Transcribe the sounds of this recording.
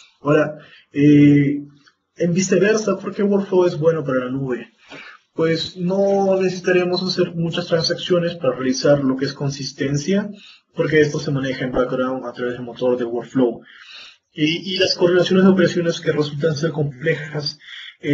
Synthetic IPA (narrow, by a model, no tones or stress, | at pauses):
oɾa | e | embise̞βe̞ɾsapo̞ɾke̞woɾflowe̞zbwe̞no̞paɾalanuβe̞ | pwe̞sno̞nesesi̥t̪aɾemo̞sase̞ɾmut͡ʃast̪ɾansaksjo̞ne̞spaɾarealisaɾlo̞keesko̞nsist̪e̞nsja | po̞ɾk̬e̞es̬t̪o̞se̞mane̞xaembakdawnat̪ɾaβe̞zðelmo̞t̪o̞ɾðe̞woɾflow | eilasko̞ɾðinasjonezðeo̞pe̞ɾasjo̞ne̞ske̞result̪ans̬e̞ɾko̞mple̞xase